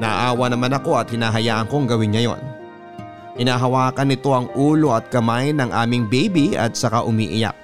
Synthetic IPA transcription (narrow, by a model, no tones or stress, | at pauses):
nɐʔa̰ʔaːwɐnɐmanɐko̞ɐt̪̚hɪnaːɦɐjaːʔɐŋko̞ŋɡɐwɪŋːɐjo̞̰n | hɪnaːɦɐwaːkɐnɪt̪o̞ʔɐŋʔuːlo̞ʔɐt̪̚kɐmajnɐŋʔaːmɪŋbejbiɐ̰t̪̚sɐkaʔʊmiːʔɪja̰k̚